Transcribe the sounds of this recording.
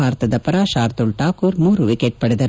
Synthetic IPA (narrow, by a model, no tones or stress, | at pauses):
aːɾt̪ɐd̪ɐpɐɾaʃaːɾt̪ulʈaːkuːɾmuːɾuʋikeʈ̚pɐɽed̪ɐ